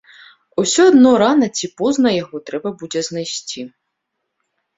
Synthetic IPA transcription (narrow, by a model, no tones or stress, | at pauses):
usʲɔɔd̪nɔɾɑnɐt͡sʲipɔznɐjɐɦɔt̪ɾɛbɐbudʲɛznɐjsʲt͡sʲi